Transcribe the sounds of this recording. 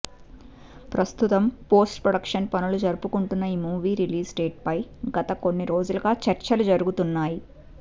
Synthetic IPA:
pɾɐst̪ut̪ɐmpo̞ːsʈpɾoɽɐkʂɐnpɐnulud͡ʒɐɾupukuɳʈunːɐiːmuːʋiːɾiliːsɖeːʈ̚pɐjɡɐt̪ɐko̞nːiɾo̞ːd͡ʒulɐɡaːt͡ʃɐɾt͡ʃɐlud͡ʒɐɾuɡut̪unːaːji

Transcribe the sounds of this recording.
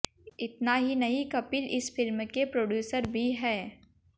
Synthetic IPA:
ɪt̪naɦinɐɦikɐpɪlɪsfɪlmkepɾoːɖjuːsəɾbʱiɦɛː

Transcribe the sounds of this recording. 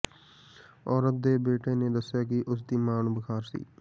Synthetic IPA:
ɔːɾət̪̚d̪eːbeːʈeːneːd̪ɐsjaːk̬iʔʊsd̪iːmaːnːbɪkʰaːɾsḭː

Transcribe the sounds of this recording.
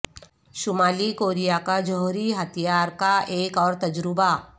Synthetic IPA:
ʃʊmaːlikoːɾijakad͡ʒɔɦuɾiɦɐt̪ʰijaːɾkaeːkɔːɾt̪ɐd͡ʒɾɪba

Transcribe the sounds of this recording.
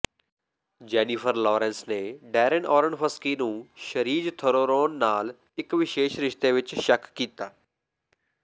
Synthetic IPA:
d͡ʒɛːniːpʰəɾlɔːɾɛ̃ːnsneːɖɛːɾɪnɔːɾəɳfəskiːnũːʃəɾiːd͡ʒt̪ʰəɾoːɾoːnːaːl | ɪkʋɪʃeːʃɾɪʃt̪eːʋɪt͡ʃʃəkːiːt̪aː

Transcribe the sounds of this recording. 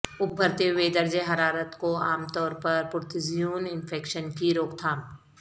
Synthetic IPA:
ʊp̚bʱɐɾt̪eʋeːd̪əɾd͡ʒeɦɐɾaːɾət̪koa̰ːmt̪ɔːɾpɐɾpʊɾt̪ʰɪzijuːnɪnfʰeːkʃənkiɾoːkt̪ʰaːm

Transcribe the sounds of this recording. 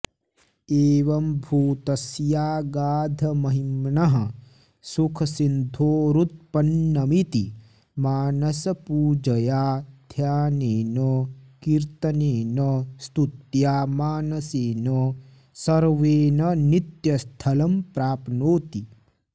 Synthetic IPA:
eːʋɐmbʱuːt̪ɐsjaːɡaːd̪ʱɐmɐɦimɳɐɦɐ | sukʰɐsind̪ʱoːɾut̪̚pɐnːɐmit̪i | maːnɐsɐpuːd͡ʒɐjaːd̪ʱjaːneːnɐkiɾt̪ɐneːnɐst̪ut̪jaːmaːnɐseːnɐ | sɐɾʋeːnɐnit̪jɐst̪ʰɐlɐmpɾaːpnoːt̪i

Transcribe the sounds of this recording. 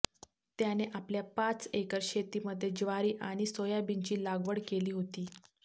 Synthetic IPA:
t̪janeʔapljapat͡sekəɾɕet̪iːməd̪ʱːjed͡ʑʋaɾiːʔaɽ̃isojabint͡ɕiːlaɡʋəɽkeliːɦot̪iː

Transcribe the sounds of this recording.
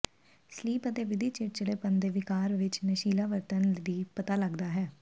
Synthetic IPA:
sliːpət̪eːʋɪd̪iːt͡ʃɪʈ̚t͡ʃəɽeːpənd̪eːʋɪkaːɾʋɪt͡ʃnəʃiːlaːʋəɾt̪ənd̪iːpət̪aːləɡd̪aːɦɛː

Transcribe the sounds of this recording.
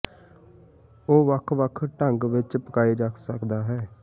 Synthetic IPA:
oːʋəkʰʋəkʰʈəŋɡʋɪt͡ʃpəkaːiːɾəkʰsəkd̪aːɦɛː

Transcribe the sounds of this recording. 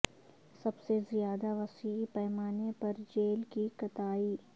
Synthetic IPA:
sɐbsezijaːd̪aʋɐsiːipɛːmaːnepɐɾd͡ʒeːlkikɐt̪aːiː

